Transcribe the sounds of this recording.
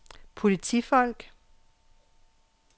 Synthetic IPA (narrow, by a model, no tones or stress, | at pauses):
pʰo̝lit͡sʰifɒ̽l̰ɡ̥